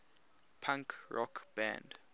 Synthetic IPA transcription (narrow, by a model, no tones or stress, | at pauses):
pʰãŋkɹɔ̰kʰb̥ã̰nd